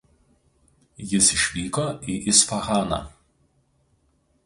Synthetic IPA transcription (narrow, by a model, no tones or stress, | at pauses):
jɪsɪʃʲʋʲiːkoːʔiːˑʔɪsfɐɣɑːnɑ̰ː